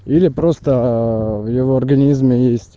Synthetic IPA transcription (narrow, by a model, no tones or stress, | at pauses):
ilʲɪpɾo̞st̪əvjɪvo̞ɐrɡɐnʲizmʲɪjesʲtʲ